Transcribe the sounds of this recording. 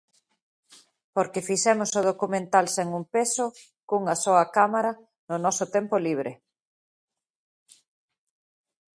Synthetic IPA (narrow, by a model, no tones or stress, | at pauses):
poɾkefisɛmʊsoð̞okumẽnt̪alseŋumpeso | kuŋɐsɔɐkamaɾa | nʊnɔsot̪ɛmpoliβ̞ɾɪ